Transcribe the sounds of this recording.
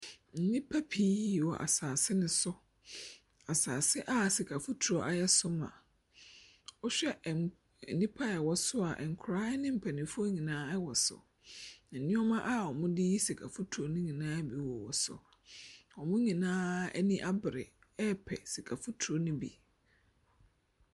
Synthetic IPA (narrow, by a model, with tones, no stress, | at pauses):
n̩˨nĩ˦pʰa˦pʰi˦wɔ˨ʔa̰˨saː˨sɪ˦nɪ̃˦sʊ˦ | a˨saː˨sɪ˦ʔa˦si˨kʰa˨fʊ˦tʰu˨o˦ʔa˨jɛ˦sʊ˦mã̰˨ | ɔ˦ɕᶣɛ˦˨ | nĩ˦pʰa˦ɛ˨wɔ˨sʊ˦a˨ʔɛ̰˨ŋ˨kʰʊ˨ɾaː˦nɪ̃˦m̩˨pʰɛ˨nɪ̃˨fʊ˦o˦ɲĩ˨nãː˦ɛ˦wɔ˨sʊ̰˨ | nã˨nɪ̃˦ɔ˦mã˦ʔa˦˨ɔ˨mʊ̃˦dɪ˦ji˦si˨kʰa˨fʊ˦tʰu˨o˨˦nʊ̃˦ɲĩ˨nãː˦bi˨wɔ˨wɔ˨sʊ̰˨ | ɔ˨mʊ̃˦ɲĩ˨nãː˦ɛ̰˦nĩ˦ʔa˦bɪ˨ɾɪ̰˨ | ɛ˦pʰɛ̰˨si˨kʰa˨fu˦tʰu˨o˦nʊ̃˦bḭ˨